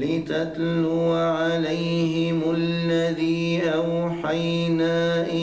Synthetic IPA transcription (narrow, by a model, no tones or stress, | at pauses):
lɪt̪at̪lʊːʕalajhɪmʊlːaðiːʔawħajnaːʔɪ